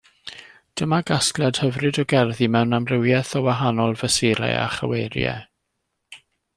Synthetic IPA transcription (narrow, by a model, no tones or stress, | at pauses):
d̥əmaɡasklˠɛd̥həvrɨdɔɡɛrðimɛwnamrɪwjɛθɔwaɦanɔlˠvəsɪɾa̰a̰χə̰wejɾjɛ̰